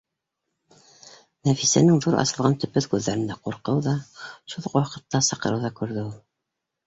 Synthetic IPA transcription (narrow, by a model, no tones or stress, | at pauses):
næfisænɘŋðuɾʔɑ̰sɤ̆lˠʁɑnt̪ɵ̆pɵθkʉðːæɾɘ̆nd̪æquɾqɤwðɑʃuðoqwɑqɤ̆t̪ːɑsɑqɤ̆ɾɤwðɑkʉɾðɘulˠ